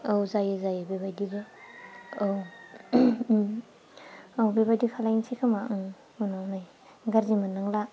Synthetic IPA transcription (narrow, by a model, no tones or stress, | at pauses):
awzajezajabebajdibe | ow | awbebajdikʰalajnsʰikʰama | unawnaj | ɡaɾzimanːaŋla